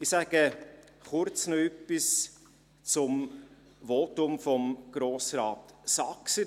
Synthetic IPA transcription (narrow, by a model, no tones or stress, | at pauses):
ɪsæɡ̥ə | χʊɾt͡snoœpːis | t͡sʊm | ʋotʊmfɔmɡ̥ɾoːsɾɑːtsɑksə